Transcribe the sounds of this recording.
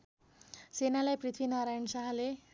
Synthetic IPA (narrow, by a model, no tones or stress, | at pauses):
senalajprit̪ʰwinʌɾajnsaɦle